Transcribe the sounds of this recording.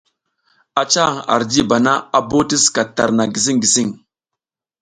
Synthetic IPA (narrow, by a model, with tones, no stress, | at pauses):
a˦t͡ʃa˦ɣa̰˨ɾd͡ʒi˦ba˨na˦a˨bo˦ti˦ska˨ta˨ɾna˨ɡi˨s̬i˦ŋɡi˨si˦ŋ